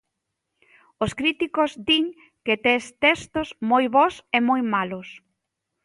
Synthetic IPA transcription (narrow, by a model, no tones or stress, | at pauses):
oskɾit̪ikozd̪iŋ | ket̪est̪est̪ozmojβɔsemojmalʊs